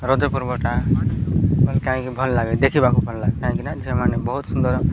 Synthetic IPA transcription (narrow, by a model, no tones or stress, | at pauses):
ɾod͡ʒɔpuɾbɔʈa | bɔlkaɦɛ̃kibʱɔlːaɡɛd̪ekʰibakubʱɔlːaɡekaɦɛ̃kinad͡ʒɛmanebɔɦut̪sund̪ɔɾ